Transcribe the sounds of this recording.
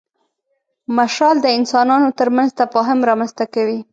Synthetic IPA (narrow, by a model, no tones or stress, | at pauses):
maʃɾɑld̪əɪnsɑnɑnot̪əɾmanzt̪afɑɦɪmɾɑmanst̪akawi